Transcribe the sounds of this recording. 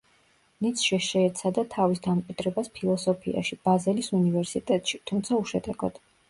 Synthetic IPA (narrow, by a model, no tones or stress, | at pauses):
nit̪sʰʃɛʃɛɛt̪sʰad̪at̪ʰavisd̪amkʼwid̪̥ɾɛbaspʰilˠɔsɔpʰḭa̰ʃib̥azɛlisunivɛɾsit̪ʼɛt̪ʼʃit̪ʰumt̪sʰauʃɛd̪ɛɡɔ̰d̪̥